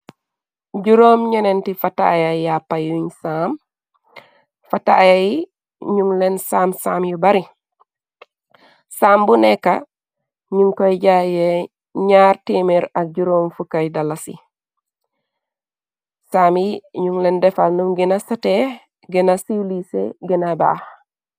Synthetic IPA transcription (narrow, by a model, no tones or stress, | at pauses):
ɟuɾomɲɐnentifata̰jajapːajuɲsaːm | fatajaji | ɲuŋlensaːmsaːmjubaɾi | saːmbunekːa | ɲuŋkojɟaje | ɲaːɾtimiɾaɟuɾoːmfukajdalasḭ | saːmjiɲuŋlendɛfalnumɡinasate | ɡinasiwlisḛɡinaba̰ːh